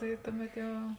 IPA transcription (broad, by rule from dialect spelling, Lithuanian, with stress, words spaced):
tɐɪ ˈtʊˌmʲɛt ˈjɛʊ